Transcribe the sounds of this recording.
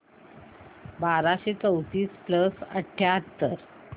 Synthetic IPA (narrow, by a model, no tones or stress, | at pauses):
baɾaɕet͡səwt̪iːspləsə̰ʈʰːjaɦt̪ːəɾ